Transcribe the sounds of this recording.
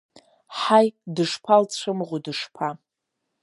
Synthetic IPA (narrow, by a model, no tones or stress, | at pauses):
ħajdɨʂpʰalt͡sʷʰɨmʁʷʊdɨʂpʰa